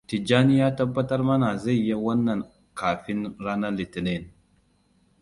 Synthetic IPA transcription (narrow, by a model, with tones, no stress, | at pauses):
t̪ɪ˨d͡ʒaː˦nɪ˦ja˦tɐ˦bːɐ˦tɐ˦ɾmɐ˦na˨zɛ˦˨jɐ˦wɐ˦nːɐ˨n | kaː˨fɪ˦nɾa˦nɐ˦lɪ˨t̪ɪ˨ne˦˨n